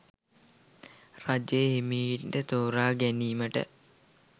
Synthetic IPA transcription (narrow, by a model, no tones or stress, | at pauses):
rad͡ʒejɦemiːnɖət̪oːɾaːɡæniːməʈə̰